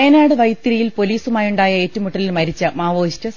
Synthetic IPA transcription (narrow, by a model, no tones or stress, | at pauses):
eːnaːɽɨʋɐjt̪ːiɾɐjilpo̞liːsumaːjuɳɖaːjɐeːtːumuʈːɐlilmɐɾit͡ɕːɐmaːʋoːiɕtɐ